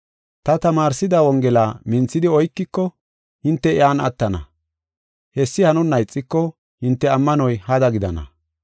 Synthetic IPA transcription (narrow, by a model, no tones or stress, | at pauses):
t̪ɐt̪ɐmaːɾsɪd̪ɐwɔŋɡɛlaːmɪnt͡sːɪd̪ɪɔjkːɪkːɔ | hɪnt̪ːɛɪaːnɐ̰t̪ːɐnɐ̰ | hɛsːɪhɐnʊnːɐjt͡sʼːɪkːɔ | hɪnt̪ːɛɐmːɐnɔjhɐd̪ɐɡɪd̪ɐnɐ̰